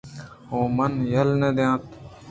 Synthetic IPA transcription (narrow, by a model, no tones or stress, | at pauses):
ɦõːmənjəlnẽd̪jãːt̪